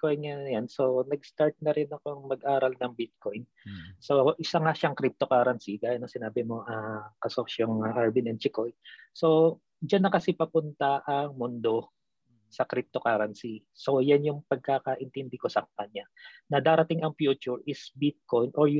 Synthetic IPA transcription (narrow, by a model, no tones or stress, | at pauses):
kojnŋaɐjanso̞nɐɡ̚st̪aɹt̪̚nɐɾɪnɐkoŋmɐɡʔaːɾɐlnɐŋbɪt̪̚ko̞jn | so̞ʔɪsaŋaʃɐŋkɾip̚t̪okaːɾɐnsiɡaːjɐnːɐŋsɪnaːbɪmo̞ʔɐkɐsoʃɐŋɐʔaɹbinɛn̚t͡ʃɪko̞jnso̞ | d͡ʒanːɐkɐsɛpɐpʊnt̪ɐʔɐŋmʊnd̪o̞ | sɐkɾip̚t̪o̞kaːɾɐnsi | so̞janjʊŋpɐɡ̚kakɐʔɪnt̪ɛnd̪ɪko̞sɐk̚pɐɲanɐd̪aːɾɐt̪ɪŋɐŋfjuːt͡ʃʊɹɪsbɪt̪̚ko̞jnʔoɹj